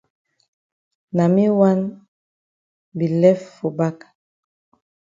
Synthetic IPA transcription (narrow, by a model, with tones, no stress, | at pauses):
na˨mi˦wa˦n | bi˨lɛ˦ffo˨ba˦kḁ˨